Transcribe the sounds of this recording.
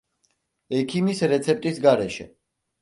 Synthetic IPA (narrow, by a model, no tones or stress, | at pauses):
ɛkʰimisɾɛt̪sʰɛp̚ʼt̪ʼisɡaɾɛʃɛ̰